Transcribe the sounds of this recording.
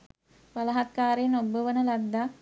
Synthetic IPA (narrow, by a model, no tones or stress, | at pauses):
palɐɦat̪̚kaːɾenobəʋənəlad̪ːa